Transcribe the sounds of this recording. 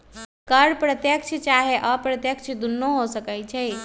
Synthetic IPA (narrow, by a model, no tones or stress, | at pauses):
kəɾpɾət̪jəkt͡ʃʰt͡ʃaɦeʔəpɾət̪jəkt͡ʃʰd̪unːoɦosəkɛt͡ʃʰɛj